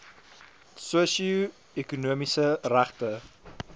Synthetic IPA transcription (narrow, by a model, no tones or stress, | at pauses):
suəsiu | ekunuəmisəræχtə